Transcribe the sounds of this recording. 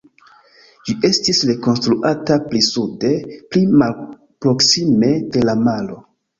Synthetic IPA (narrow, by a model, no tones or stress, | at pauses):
d͡ʒiʔe̞stisɾe̞ko̞nstɾuʔataplisude̞plimal | pɾo̞ksime̞de̞lamalo̞